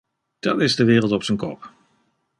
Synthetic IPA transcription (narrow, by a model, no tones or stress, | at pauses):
d̥ɑtɪzdəʋɪːrəlˠtɔpsənkɔ̰p